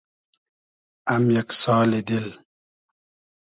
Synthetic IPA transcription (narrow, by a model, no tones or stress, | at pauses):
ɐmjɐksɑːled̪il